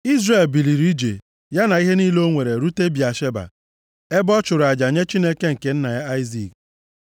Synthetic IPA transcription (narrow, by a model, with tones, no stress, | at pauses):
i˦zre˨lbi˨li˨ɾi˦d͡ʒe˨ | ja˦na˨i˦ɦe˦ni˦lo˦ŋʷe˨ɾe˨ɾu˦te˦bi˨a˨ʃe˦ba̰˨ | e˦bɔ˦t͡ʃʊ˨ɾʊ˨a˨d͡ʒa˨ɲe˦t͡ʃi˦ne˦ke˦ŋ̩˨ke˨n̩˦na˨ja˦a˦ɪ˦zḭ˨k̚